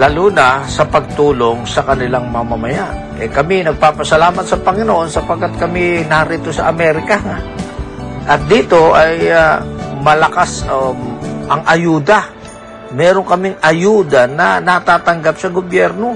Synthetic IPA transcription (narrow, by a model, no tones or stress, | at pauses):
laːluːnɐsɐpɐɡ̚t̪uːlo̞ŋsɐkɐnɪlaŋmɐmɐmɐjaʔ | ʔɛkɐmɪnɐɡ̚paːpɐsɐlaːmɐt̪sɐpɐŋɪnoʔo̞nsɐpɐɡ̚kːat̪̚kɐmɪnaːɾit̪osɐʔɐmɛːɾɪkɐŋaʔ | ʔɐt̪̚d̪iːt̪o̞ʔɐj | mɐlɐkasaʔɐŋʔɐjuːd̪ɐ | mɛːɾo̞ŋkɐmɪŋɐjuːd̪ɐnɐnɐt̪aːt̪ɐŋɡapsɐɡobjɛɾno̞